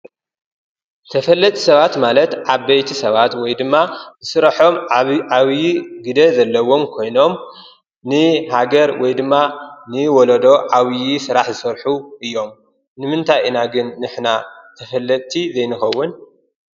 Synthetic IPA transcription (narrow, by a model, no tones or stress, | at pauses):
t̪ʰɐfɐlːɐt̪ʼsɐβat̪malɐt̪ʕaβbɐjt̪ʰisɐβat̪wɔjd̪ɨmːazɨsɨɾaħo̞maβjiɡɨd̪ɐzɐlːɐwo̞mkʰo̞jno̞m | nɨhaɡɐɾwɔjd̪ɨmːanɨwɔlɐd̪o̞ʕaβjisɨɾaħzɨsɐɾħuʔɨjːo̞m | nɨmɨnt̪ʰajɨnaɡɨnːɨħnat̪ʰɐfɐlːɐt̪ʼt̪ʰizejnɨxɐwːʊn